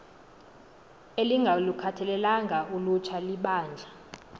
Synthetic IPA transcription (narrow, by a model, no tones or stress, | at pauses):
eliŋɡʱalukʰatʰɛlɛlaŋɡʱaʔulut͡ʃʰaliɓaːnd͡ɮʱa